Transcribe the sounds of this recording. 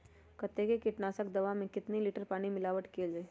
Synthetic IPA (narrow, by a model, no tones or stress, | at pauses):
kət̪ːekekɪʈnaːsək̚d̪ɐʋamẽkɪt̪niliːʈəɾpaːɽ̃imɪlaːʋəʈkʰeːld͡ʒa